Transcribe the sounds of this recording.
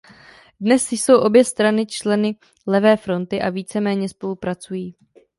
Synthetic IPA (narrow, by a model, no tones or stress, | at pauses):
dnɛsɪso̞wʔo̞bjɛst̪ɾanɪt͡ʃlɛnɪ | lɛvɛːfɾo̞nt̪ɪʔaviːt͡sɛmɛːɲɛspo̞lupɾat͡sujiː